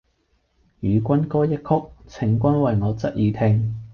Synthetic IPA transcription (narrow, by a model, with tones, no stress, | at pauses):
jyː˨˧kʷɐ˥nkɔː˥jɐ˥t̚kʰʊ˥k̚t͡sʰɪ˨˩ŋkʷɐ˥nwɐ˨jŋɔː˨˧t͡sɐ˥t̚jiː˨˧t̪ʰɪː˥ŋ